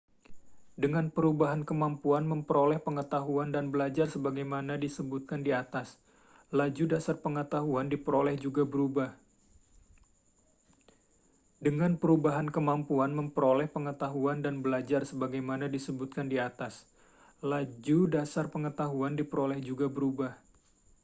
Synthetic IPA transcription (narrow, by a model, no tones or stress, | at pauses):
dəŋanpəɾubaɦankəmampuanməmpəɾolɛhpəŋət̪aɦuandanbəlad͡ʒarsəbaɡajmanadisəbut̪̚kandiat̪as | lad͡ʒudasarpəŋət̪aɦuandipəɾolɛhd͡ʒuɡabəɾubah | dəŋanpəɾubaɦankəmampuanməmpəɾolɛhpəŋət̪aɦuandanbəlad͡ʒarsəbaɡajmanadisəbut̪̚kandiat̪as | lad͡ʒudasarpəŋət̪aɦuandipəɾolɛhd͡ʒuɡabəɾubah